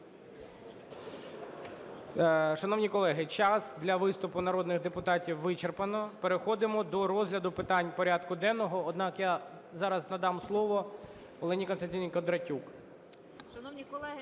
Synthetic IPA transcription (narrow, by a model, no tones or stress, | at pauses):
ʃɐnɔʋnʲikɔlˠɛɦɪt͡ʃɑsd̪lʲɐʋɪst̪ʊpʊnɐɾɔd̪nɪɣd̪epʊt̪ɑtʲiwːɪt͡ʃerpɐnɔpeɾexɔd̪ɪmɔd̪ɔɾɔzʲɦlʲɐd̪ʊpɪt̪ɑnʲpɔɾʲɑd̪kʊd̪ɛnːɔɦɔːd̪nɑkja | zɑɾɐznɐd̪ɑmslˠɔʋɔ | ɔlˠɛnʲikɔnst̪ɐnʲtʲinʲɪjkɔd̪ɾɐtʲuk